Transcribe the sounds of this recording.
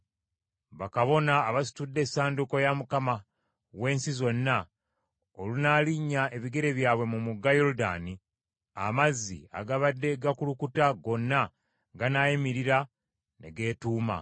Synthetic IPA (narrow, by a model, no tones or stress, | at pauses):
βakaβo̞naːβasi̥tudːe̞saːnduko̞jamukama | we̞ːnsizo̞nːa | olunaːliɲːae̞βiɡe̞ɾe̞βjaːβwe̞mumuɡːajo̞luda̰ːni | a̰mazːḭa̰ɡaβadːe̞ɡakulukutaɡo̞nːa | ɡanajimiɾiɾa | ne̞ɡe̞ːtuːma̰